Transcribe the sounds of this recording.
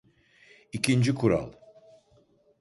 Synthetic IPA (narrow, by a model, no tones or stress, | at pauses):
icʰind͡ʒikʰuɾa̰lˠ